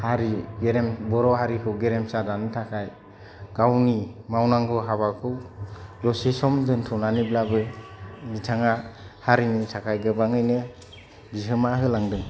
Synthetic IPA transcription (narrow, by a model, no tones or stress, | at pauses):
haɾiɡeɾembɔɾɔhaɾikʰɯwɡeɾemsadanɯtʰakʰaj | ɡ̥awnimawnaŋɡɯɦaβakʰɯwdɔsesɔmdɯntʰɔwnaniblabɯnitʰaŋahaɾinitʰakʰajɡɯbaŋɯjnɯ | biɦɯmaɦɯlaŋdɯŋ